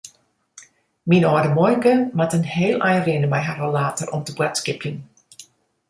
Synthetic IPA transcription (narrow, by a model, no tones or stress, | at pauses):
minɔːdəmɔjɡəmatənheːlɛjrɪnəmɛjɦarəlaːtərʔɔmtəbwɛtskɪpjən